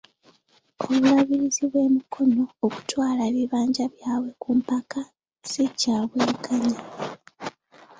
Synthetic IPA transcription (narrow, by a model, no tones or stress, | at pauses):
o̞βulaβiɾiziβwe̞ːmikʰo̞no̞ːku̥twaːlaβiβaːɲɟaβjaːwe̞kumpaka | secaːβweːmkaɲa